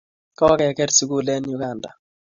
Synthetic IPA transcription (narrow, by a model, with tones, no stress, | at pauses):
kɔ˦kɛ˨kɛ˦ɾsu˨ɡu˦lɛ˦njʊ˦ɡa˨nda̰˨